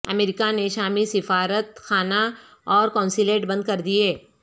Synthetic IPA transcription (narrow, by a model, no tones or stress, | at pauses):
ɐ̰meːɾɪkaneʃaːmisɪfaːɾət̪xaːna | ɔːɾkɔ̃ːnsileːʈbɐ̃nd̪̚kɐɾd̪ieː